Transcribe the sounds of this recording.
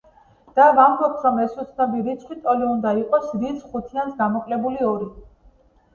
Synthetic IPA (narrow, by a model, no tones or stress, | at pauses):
d̪̥avambɔp̚t̪ʰɾɔmɛsut̪sʰnabiɾit̪sʰχwit̪ʼɔliund̪aiqʼɔsɾisχut̪ʰiansɡamɔkʼlɛbuliɔɾi